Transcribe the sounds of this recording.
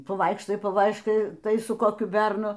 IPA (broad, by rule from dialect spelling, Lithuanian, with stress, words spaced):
pɐˈʋɐɪkʃtɐɪ pɐˈʋɐɪʃkɐɪ ˈtɐɪ sʊ koːˈkʲʊ ˈbʲɛrnʊ